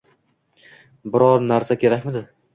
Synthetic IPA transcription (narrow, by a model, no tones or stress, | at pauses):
bɪɾɒɾnaɾsakʲe̞ɾakʲmɪd̪ɪ